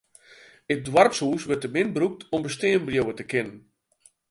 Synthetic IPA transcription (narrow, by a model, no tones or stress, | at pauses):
ət̚dwarpsuːsʋərt̚əmɪnbruk̚tɔmbəsteːmbrjowətəkɪnən